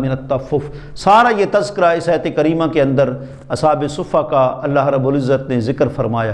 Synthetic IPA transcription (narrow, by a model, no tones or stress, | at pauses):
mɪnɐt̪ːɐfːʊf | saːɾajet̪ɐzkɪɾaɪsaːjət̪ekɐɾiːmãkeɐ̃nd̪əɾ | ɐsɦaːbesʊfakaɐlːaɦɾɐbuːlɪzːət̪nẽzɪkəɾfɐɾmaːjaː